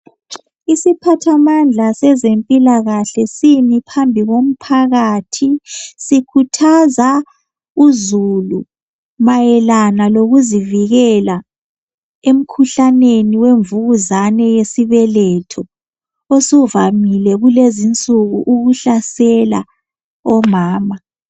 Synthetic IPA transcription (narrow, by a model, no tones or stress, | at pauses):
isipʰatʰamand͡ɮʱasɛzempʼilaɣaɬɛsimipʰambʱiɣom̩pʰaɣatʰisikʰutʰaza | uzulu | majɛlanaloɣuziviɣɛla | em̩kʰuɬaneniweɱvuɣuzanɛjesiβɛlɛtʰɔ | osuvamilɛɣulezint͡sʼuɣuʔuɣuɬasɛla̰ | ɔmaːma